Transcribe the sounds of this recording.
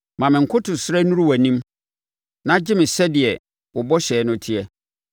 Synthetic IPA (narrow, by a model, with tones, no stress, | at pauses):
mã˨mɪ̃˨ŋ̩˨kʰʊ˦tʰʊ˨sɾɛ˦nũ˦ɾu˦wæ˨nĩ˦m | nã˦d͡ʑɪ˦mɪ̃˨sɛ˦dɪ˨ɛ˨ | wɔ˨bɔ˦ɕɛː˨˦nʊ̃˦tʰɪ˦ɛ˦